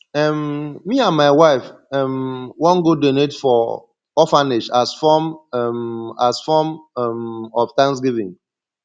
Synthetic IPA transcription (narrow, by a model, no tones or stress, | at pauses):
ɛmːiãnmaɪwaɪfɛmwɔ̃nɡodonetfɔ | ɔfaneʃasfɔmɛmasfɔmɛmɔftãŋs̬ɡivḭ̃ŋ